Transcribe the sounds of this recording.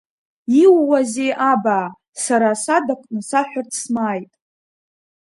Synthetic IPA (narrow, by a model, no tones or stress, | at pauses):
iwːazeʔabaː | saɾasadakʷʼnɨsaħʷᶣartʰsmaːjtʼ